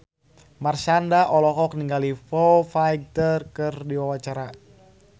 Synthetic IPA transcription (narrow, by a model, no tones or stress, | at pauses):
marsandaʔɔlɔkɔk̚niŋɡalifɔfajɡ̚t̪ərkɨrdiwawat͡ʃaɾa